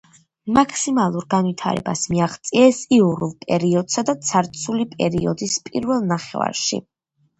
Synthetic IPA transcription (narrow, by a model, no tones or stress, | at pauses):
makʰʼsimalˠuɾɡanvit̪ʰa̰ɾɛ̰basmiaʁt̪sʼiɛsiuɾulˠpʼɛɾiɔd̪sad̪at̪sʰaɾt̪sʰulipʼɛɾiɔd̪ispʼiɾvɛlˠnaχɛ̰va̰ɾʃḭ